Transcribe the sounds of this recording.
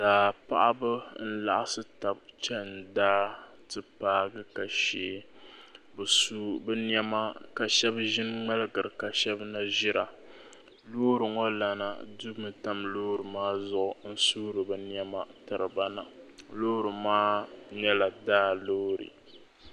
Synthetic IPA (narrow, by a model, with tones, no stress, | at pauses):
daː˨pa˦ʔa˦bɨ˦n̩˦la̰˦ʔa˦sɨ˦ta˨bt͡ʃɛ˦n̩˨daː˦ | tɨ˦paː˦ɡɨ˦ka˨ʃeː˨ | bɨ˨su˦bɛ˦n˦ɛ˦ma˦ka˨ʃɛ˦bʒɪ˦nŋ͡mɛ˦lɨ˦ɡɨ˨ɾɨ˨ka˨ʃɛ˦bna˦ʒɪ˦ɾa˨ | lo˦ɾɨ˨ŋo˦la˨na˨du˦mɨ˨ta˦mloː˦ɾɨ˨maː˦zʊ˦˨ʔʊ˨n̩˦suː˦ɾɨ˨bɨ˦n˦ɛ˦ma˨tɨ˨ɾɨ˨ba˦na̰˨loː˦ɾɨ˨maː˦ɲɛ˦la˨daː˦loː˦ɾḭ˨